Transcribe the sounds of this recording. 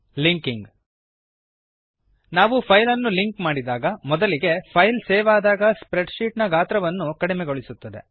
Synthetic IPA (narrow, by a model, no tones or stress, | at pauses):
liŋkiŋɡ | naːʋupʰɐjlɐnːuliŋkmaːɽid̪aːɡɐmɔd̪ɐliɡe̞pʰɐjlsɛːʋaːd̪aːɡɐspɾeɖʃiːʈnɐɡaːt̪ɾɐʋɐnːukɐɽimeɡoɭisut̪ːɐd̪e̞̰